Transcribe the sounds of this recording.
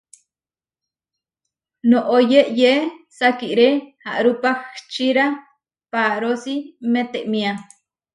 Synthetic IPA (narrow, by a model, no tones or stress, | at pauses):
noʔojeʔjesakiʔɾeha̰ʔɾupaxt͡ʃiɾa | paɾosimet̪eʔmia